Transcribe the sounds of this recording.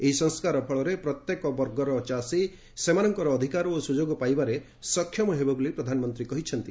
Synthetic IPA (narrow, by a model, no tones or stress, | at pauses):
eɦisɔŋskaɾɔpʰɔɭɔɾepɾɔt̪jekɔbɔɾɡɔɾɔt͡ʃasi | semanɔŋkɔɾɔːd̪ʱikaɾɔosud͡ʒoɡɔpajbaɾe | sɔkʰjɔmɔɦebɔbulipɾɔd̪ʱanɔmɔnt̪ɾikɔɦit͡ʃʰɔnt̪i